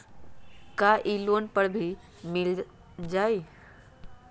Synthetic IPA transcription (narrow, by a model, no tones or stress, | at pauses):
kaʔiloːnpəɽbʱi | mɪl | d͡ʑaːi